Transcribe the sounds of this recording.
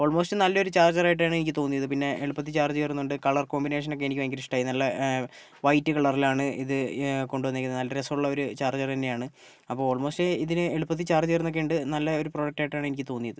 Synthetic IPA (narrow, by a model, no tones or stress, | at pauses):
o̞ːɭmo̞ːstɨnɐlːɐo̞ɾut͡ɕaːrd͡ʑɐraːjiʈːaːɳɨe̞nikʲːɨt̪o̞ːnːijɐðɨpinːe̞eɭupːɐt̪ːit͡ɕaːrd͡ʑejrunːuɳɖɨkɐɭɐrko̞ːmbine̞ːʂ̬ɐno̞kːeenikʲːumɐŋɡiɾiʂʈːaːjinɐlːɐ | ʋɐjtːɨkɐɭɐrilaːɳɨḭðɨko̞ɳɖuʋɐnːekːɐnnɐlːɐɾesɐmuɭːɐo̞ɾut͡ɕaːrd͡ʑɐrenːejaːɳɨ | ɐpːoːɭoːɭmo̞ːstɨiðinɨeɭupːɐt̪̬ːit͡ɕaːrd͡ʑejrunːo̞kːeuɳɖɨnɐlːɐo̞ɾuproːɐk̚ʈːaːjiʈːaːɳɨenikʲːɨt̪o̞ːnːijɐðɨ